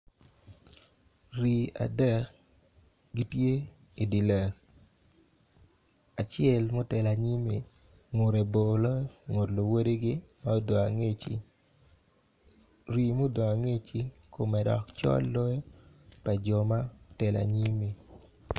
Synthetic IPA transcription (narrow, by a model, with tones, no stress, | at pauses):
ɾi˨a̰˨dɛ˦˨k | ɡi˦tje˦ | i˨di˨lɛ˨k | a˨t͡ʃɪɛ˦˨lmo˦tɛ˨la˨ɲi˦mi˨ | ŋo˨ɾe˨bo˨lɔ˦jŋo˨tlo˨wo˦de˦ɡɪ˦ma˦o˦do˨a˨ŋe˦t͡ʃi˨ | ɾi˨mo˦do˨ŋa˨ŋe˦t͡ʃi˦kʰo˨mɛ˨dɔ̰˨kt͡ʃɔ̰˦lːɔ˦j | pa˨d͡ʒɔ˨ma˦tɛ˨la̰˨ɲi˦mi˨